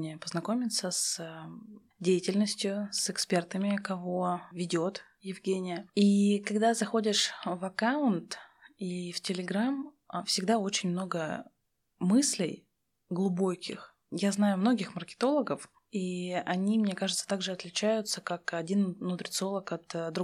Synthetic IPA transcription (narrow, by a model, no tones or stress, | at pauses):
nʲɪjəpəznɐko̞mʲɪt̪səs | dʲejɪtʲɪlʲnəsʲtʲjʊsɨkspʲe̞rt̪əmʲɪkɐvo̞vʲɪdʲo̞t̪ | jɪvɡʲenʲɪjəikɐɡd̪azɐxo̞dʲɪʂvɐkaʊnt̪iftʲɪlʲɪɡɾam | fsʲɪɡd̪ao̞t͡ɕɪnʲmno̞ɡə | mɨsʲlʲɪ̰j | ɡlˠʊbo̞kʲɪ̰x | jaznajʊmno̞ɡʲɪxmərkʲɪ̥t̪o̞lˠəɡəf | iɐnʲimnʲe̞kaʐɨt̪sə̥t̪aɡʐɨɐt̪lʲɪt͡ɕæjʊt̪səkakɐdʲinnʊt̪ɾʲɪt̪so̞lˠəkɐt̪d̪ɾʊ